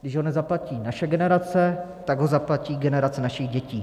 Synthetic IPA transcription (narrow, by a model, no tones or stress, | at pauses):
ɡdɪʒɦonɛzaplaciːnaʃɛɡɛnɛɾat͡sɛt̪aɡɦo̞zaplaciːɡɛnɛɾat͡sɛnaʃiɣɟɛciː